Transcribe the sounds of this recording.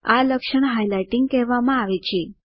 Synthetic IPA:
aləkʃəɳɦajlajʈiŋɡ̚kɛɦʋamãaʋet͡ʃʰe

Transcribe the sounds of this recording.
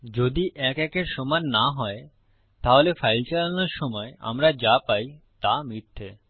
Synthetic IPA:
d͡ʑod̪iʔɛkɛkeɾʃɔmanːaɦɔe | t̪aɦolefajlt͡ɕalanoɾʃɔmɔea̰mɾad͡ʑapajt̪amiɾt̪ʰe

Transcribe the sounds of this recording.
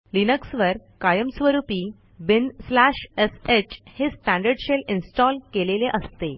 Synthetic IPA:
linəksʋəɾkajəmsʋəɾupiː | binslæɕeset͡ɕhesʈæ̃ɳɖəɾɖɕelinsʈɔlkeleleʔəst̪e

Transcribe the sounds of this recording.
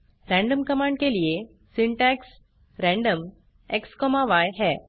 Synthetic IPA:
ɾɛ̃ɳɖəmkəmãɳɖkelije | siɳʈɛks | ɾɛ̃ɳɖəm | ekskɔmaʋajɦɛ

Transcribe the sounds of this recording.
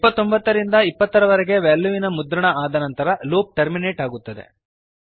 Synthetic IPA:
ipːɐt̪ːo̞mbɐt̪ːɐɾind̪ɐipːɐt̪ːɐɾɐʋɐɾɛɡe̞ʋelːuʋinɐmud̪ɾɐɳɐaːd̪ɐnɐnt̪ɐɾɐloːp̚ʈɐɾmine̞ːʈaːɡut̪ːɐd̪ḛ

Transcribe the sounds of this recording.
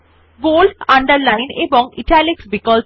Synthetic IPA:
ɡoːlʈãɳɖəɾlaɪ̃nebɔ̃ŋḭʈʰaliksbikɔːl

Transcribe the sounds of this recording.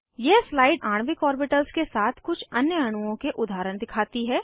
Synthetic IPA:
jeslaːɪɖaːɳ̃ʋikɔːɾbɪʈəlskesaːt̪ʰkʊt͡ʃʰɐnjəɐɽ̃uõkeʔʊd̪ʱaːɾəɽ̃d̪ɪkʰaːt̪iɦɛː

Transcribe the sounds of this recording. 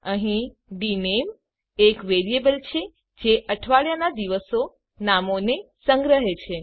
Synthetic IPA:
əɦĩ | ɖinem | ekʋeɾiebəlt͡ʃʰe | d͡ʒeʔəʈʰʋaɭjanad̪iʋəso | namonesəŋɡɾəɦet͡ʃʰe

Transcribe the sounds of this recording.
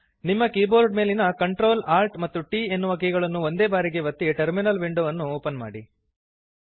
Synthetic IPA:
nimːɐkiːboːɾɖ̚me̞ːlinɐkɐɳʈɾo̞ːlaːɾʈmɐt̪ːuʈiːe̞nːuʋɐk̬iɡɐɭɐnːuond̪e̞ːbaːɾiɡe̞ʋɐt̪ːiʈɐɾminɐlʋiɳɖoʋɐnːuoːpɐnma̰ːɽi

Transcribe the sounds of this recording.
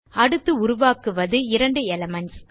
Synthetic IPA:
ɐɽɯt̪ːɯʊɾʊʋaːkɯʋɐðɯɪɾɐɳɖɯɛlɐmɐns

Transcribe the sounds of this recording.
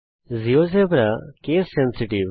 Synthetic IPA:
zios̬ebɾakeːsɛnsiʈiʋ

